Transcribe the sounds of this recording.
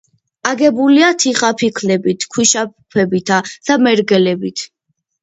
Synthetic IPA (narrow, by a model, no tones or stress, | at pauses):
aɡɛbuliat̪ʰiχapʰikʰlɛbit̪ʰkʰwiʃapʰɛbit̪ʰad̪̥amɛɾɡɛlɛbit̪ʰ